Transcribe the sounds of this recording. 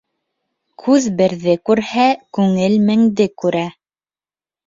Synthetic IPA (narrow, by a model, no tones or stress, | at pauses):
kʰʉðbɘ̆ɾðɘkʉɾhækʉŋɘlmɘ̆ŋd̪ɘkʉɾæ